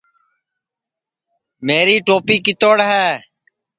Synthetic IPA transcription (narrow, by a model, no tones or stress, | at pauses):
meːɾiːʈoːpiːkɪt̪oːɽɦɛː